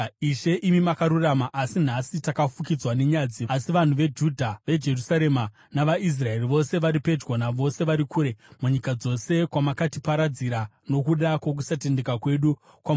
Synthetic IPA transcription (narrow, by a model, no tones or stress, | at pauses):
iʃe̞ʔimimakaɾuramaʔasin̤asitakafukid͡zwane̞ɲad͡ziasiʋan̤uʋe̞d͡ʒudʱaʋe̞d͡ʒe̞rusaɾe̞ma | naʋais̬rae̞riʋo̞se̞ʋaɾipe̞d͡ʒwonaʋo̞se̞ʋaɾikʰuːɾe̞muɲikad͡zo̞se̞kwamakatipaɾad͡ziɾa | no̞kuɗakwok̬usate̞nde̞kakwe̞ɗu | kwa